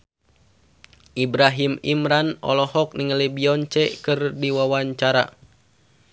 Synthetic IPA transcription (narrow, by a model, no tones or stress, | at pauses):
ʔibɾaɦimimɾanɔ̰lɔhɔk̚niŋəlibiɔɲt͡ʃɛkɨrdiwawaɲt͡ʃaɾa̰